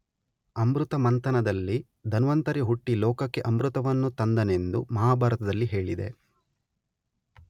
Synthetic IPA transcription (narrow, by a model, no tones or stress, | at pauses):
ɐmɾut̪ɐmɐnt̪ɐnɐd̪ɐlːi | d̪ʱɐnʋɐnt̪ɐɾiɦuʈːilɔːkɐkːe̞ʔɐmɾut̪ɐʋɐnːut̪ɐnd̪ɐne̞nd̪umɐɦaːbʱaːɾɐt̪ɐd̪ɐlːiɦe̞ːɭid̪e̞̰